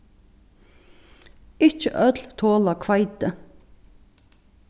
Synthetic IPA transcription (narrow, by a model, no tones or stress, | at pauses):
ɪçə̰ʔœd̪lt̪ʰoːlɑkʰʋɑɪd̪ə